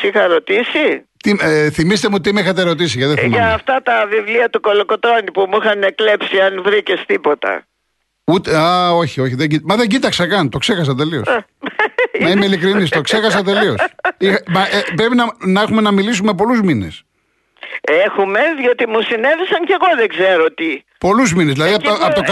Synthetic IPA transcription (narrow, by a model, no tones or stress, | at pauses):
sixɐɾo̞t̪isi | t̪imθimist̪emuot̪imeixɐt̪eɾo̞t̪is̬iʝɐeimiʝɐft̪ɐt̪ɐvivliɐt̪uko̞loko̞t̪ɾo̞nipumuixɐneklepsiɐnvɾicest̪ipo̞t̪ɐ̰ | ut̪eɐo̞çio̞çiðeɟimɐðe̞ɲɟit̪ɐksɐkɐnt̪o̞kse̞xɐs̬ɐt̪e̞lio̞s | mɐimeilikɾinist̪o̞kse̞xɐs̬ɐt̪e̞liosimɐepɾe̞pinɐnɐexume̞nɐmilis̬ume̞p̬o̞luzmine̞̰s | exume̞ðio̞t̪imusine̞visɐɲce̞ɣo̞ðeɡze̞ɾot̪i | po̞luzminezðilɐðiɐp̪ɐot̪ok